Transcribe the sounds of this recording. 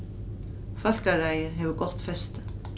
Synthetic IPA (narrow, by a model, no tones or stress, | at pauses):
fœl̥karaːjɪɦɛvʏɡɔht̪fɛst̪